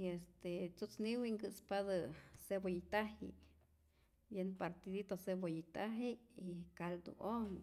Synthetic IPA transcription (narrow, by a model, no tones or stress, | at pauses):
iest̪et͡sut͡sniwiŋɡɨspad̪asebojit̪ahḭʔ | jenpaɾt̪id̪it̪osebojit̪aɦiikald̪ṵoŋ